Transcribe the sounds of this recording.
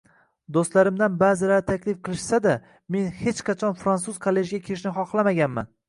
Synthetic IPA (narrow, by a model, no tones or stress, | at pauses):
d̪ost̪laɾɪmd̪anbaːzɪlaɾt̪ʰakʲlɪfqʰɨlˠɪʃsad̪a | me̞nhet͡ʃqʰɑt͡ʃʰɒnfɾansuz̥kʰolːe̞ʒɡʲakʲʰeɾɪʃnɪχɒχlˠamaɡʲanma̰n